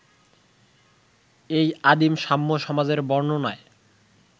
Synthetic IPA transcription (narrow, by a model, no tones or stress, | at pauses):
ejad̪imʃamːoʃɔmad͡ʑeɾbɔɾnonae